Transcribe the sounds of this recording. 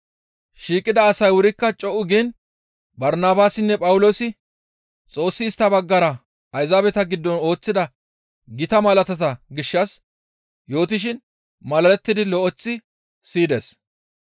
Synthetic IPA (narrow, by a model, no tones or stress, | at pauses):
ʃiːkʼːɪd̪ɐːsɐjwʊɾɪkːɐt͡ʃʼɔʔʊɡiːn | bɐɾnaːbaːsɪnːɛpʼɐwʊlo̞ːsɪ | t͡sʼo̞ːsːɪːst̪ːɐbɐɡːɐɾɐ | ɐjzaːbɛt̪ɐɡɪd̪ːɔno̞ːt͡sːɪd̪ɐ | ɡɪt̪ɐmɐlɐt̪ɐt̪ɐɡɪʃːɐs | jo̞ːt̪̬ɪʃ̬ɪn | mɐlɐlɛt̪ːɪd̪ɪlɔʔɔt͡sːɪ | siːd̪ḛːs